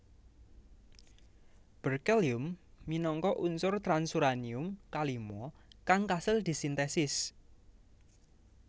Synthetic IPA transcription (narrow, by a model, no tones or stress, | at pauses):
b̥ərkɛliʊmːinɔŋkɔʔunsʊrt̪ɾansuɾaniʊmkalimɔkaŋkasɪld̪̥i̤sint̪ɛsɪs